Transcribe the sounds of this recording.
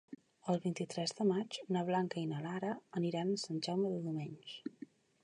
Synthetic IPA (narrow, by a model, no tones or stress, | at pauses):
əlˠβint̪it̪ɾɛzðəmad͡ʒnəβ̞laŋkəinəlaɾəːniɾanəsanʒawməðəðumeɲʃ